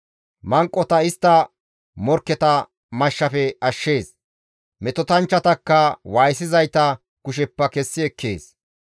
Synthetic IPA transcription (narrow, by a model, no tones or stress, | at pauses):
mɐŋkʼːɔt̪ɐɪst̪ːɐ | mɔɾkːɛt̪ɐ | mɐʃːɐfɛɐʃːe̞ːs | mɛt̪ɔt̪ɐnt͡ʃːɐt̪ɐkːɐwaːjsɪzɐjt̪ɐ | kʊʃ̬ɛpːɐkɛsːɪɛkʰːe̞̰ːs